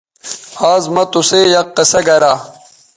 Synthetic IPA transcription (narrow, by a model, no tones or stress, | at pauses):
haːzmɐt̪usejɐqːɐsɐɡɐɾaː